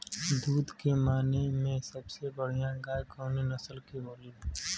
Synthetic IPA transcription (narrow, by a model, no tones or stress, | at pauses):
d̪uːd̪kemaːnemẽsɐbsebəɽ̤ijãɡaːjkoːninɐsəlkiboːli